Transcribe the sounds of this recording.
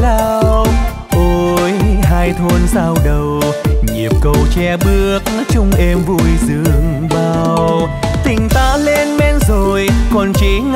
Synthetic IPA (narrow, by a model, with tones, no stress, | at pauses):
laː˧w | ʔo˧jhaː˧jt̪ʰwo˧nsaː˧wɗə˨˩wɲi˨˩əp̚kə˧wt͡ɕɛ˧ɓɨ˧˥˦əək̚ | t͡ɕʊ˧ŋ͡mʔɛ˧mvu˧jzɨ˧˨əŋ | ɓaː˨w | t̪ï˨˩ŋ̟t̪aː˧le˧nmɛ˧nzo˨˩jkɔ˨˩nt͡ɕi˧˦ŋ